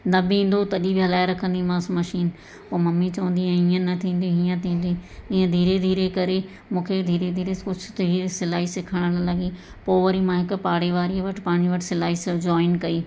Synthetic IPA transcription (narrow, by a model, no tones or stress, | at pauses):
nɐbɪĩːn̆d̪ot̪ɐɗibɪɦɐlaːɪɾɐkʰə̃nd̪imãːsmɐʃiːn | poːmɐmːit͡ɕɐʋə̃nd̪iɦɛ̃iə̃nɐt̪ʰĩːn̆d̪iɦijə̃t̪ʰĩːn̆d̪iiːə̃d̪ʱiːɾed̪ʱiːɾekɐɾe | mũːkʰed̪ʱiːɾed̪ʱiːɾekʊt͡ʃʰʊd̪ʱiːɾsɪlaːɦisɪkʰəɽ̃əllɐɡi | poːʋəɾimãɦɪkʊ̆paːɽeʋaːɾiʋɐʈʰɪ̥paːɽ̃iʋɐʈʰɪ̥sɪlaːɦisd͡ʑɔːɪnkɐiː